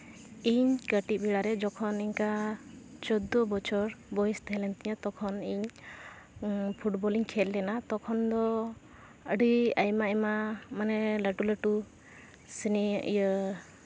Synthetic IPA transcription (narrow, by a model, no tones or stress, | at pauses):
iɲkəʈibiɽaɾɛd͡ʒɔkʰɔniɲka | t͡ʃɔd̪ɔbɔt͡ʃʰɔɾbɔjist̪ɛɦɛlɛnt̪iɲat̪ɔkʰɔniɲ | pʰuʈbɔliɲkʰɛlːɛnat̪ɔkʰɔnd̪ɔ | əɖiajmaɛmamanɛləʈuləʈu | siniʔjə